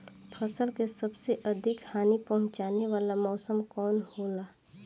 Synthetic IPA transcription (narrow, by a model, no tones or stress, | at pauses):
fʰɐsəlkesɐbseʔɐd̪ʱɪkhaːnipɐɦʊ̃t͡ʃaːneʋaːlamɔːsəmkɔːnhoːlaː